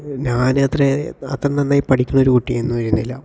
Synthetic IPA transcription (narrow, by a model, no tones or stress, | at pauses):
ɲaːnɐt̪reɐt̪rɐnːɐnːaːjpɐʈʰikʲːunɐoɾukuʈːijɐjenːuʋɐɾunːilːɐ